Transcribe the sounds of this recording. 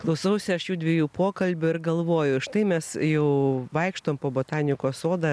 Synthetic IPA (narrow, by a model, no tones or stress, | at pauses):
klˠɐʊsɐʊsʲɪɐʃjuːd̪ʲʋʲiɛjuːpoːkɐlʲbʲʊɪɾɡɐlˠʋoːjʊʃt̪ɐɪmʲɛsjɛʊʋɐɪkʃt̪oːmpoːboːt̪ɑːnʲɪkoːsoːd̪ɐ